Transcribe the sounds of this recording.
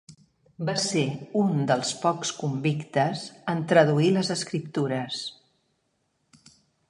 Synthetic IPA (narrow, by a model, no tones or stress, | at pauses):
baseund̪əlˠspɔkskumbikt̪əzənt̪ɾəðuiləzəskɾip̚t̪uɾəs